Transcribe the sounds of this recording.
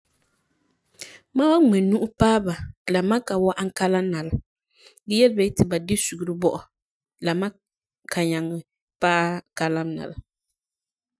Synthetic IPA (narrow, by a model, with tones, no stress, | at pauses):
ma˦wa˦ŋ͡mɛ˨nu˦ʔʊ˦paː˦ba˨la˨ma˦ka˨wɔ˦ʔa˦ŋ˦ka˦la˦m˦na˨la˨ | ɡɛ˦jɛ˦lbɛ˦tɪ˨ba˨dɪ˦su˨ɡu˨ɾɨ˦bɔ˦ʔɔ˨ | la˨ma˦ | kʰa˨ɲa˨ŋɪ˨ | paː˦ka˦la˦m˦na̰˨la˨